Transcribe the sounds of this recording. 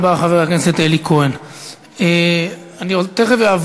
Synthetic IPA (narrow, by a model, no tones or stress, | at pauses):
baχaveʁakneset̪elikʰoen | e | aniot̪eχeveav